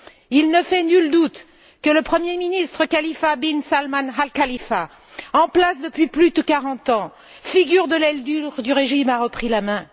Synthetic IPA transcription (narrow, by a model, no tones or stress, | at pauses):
ilnəfɛnyld̪ut̪ | kələpχəmjeminist̪χəkalifabinsalmanalkalifa | ɑ̃plasd̪əpɥiplyd̪əkaʁɑ̃t̪ɑ̃ | fiɡʲyʁd̪əlɛld̪yʁd̪yʁeʒimaʁəpχilamɛ̃